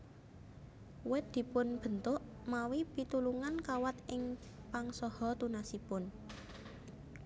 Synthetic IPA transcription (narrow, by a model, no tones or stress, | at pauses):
wɛt̪̚d̪̥i̤pʊnb̥ə̤nt̪ʊʔ | mawipit̪uluŋankawat̪ʔɪŋ | paŋsɔhɔt̪unasipʊn